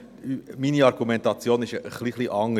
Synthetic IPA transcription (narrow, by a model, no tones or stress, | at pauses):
yminiɑɾɡumɛntɑt͡sjoːnɪʃəχliχliʔɑŋːə